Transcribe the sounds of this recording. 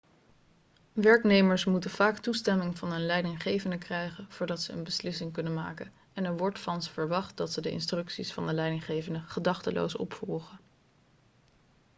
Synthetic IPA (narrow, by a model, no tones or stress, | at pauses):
ʋɛɹknejməɹsmutəv̥aːktustɛmɪŋvɑnɵnlɛjdɪŋχejvəndəkrɛjχənv̥ʊːɹdɑtsəə̰nbəslɪsɪŋkɵnəma̰ːkən | ɛnɛɹʋɔɹtfɑnsfəɹʋɑχt̚dɑtsədəʔɪ̰nstrɵksisfɑndəlɛjdɪŋχejvəndəχədɑχtəlo̰wsɔ̰pfɔlˠχə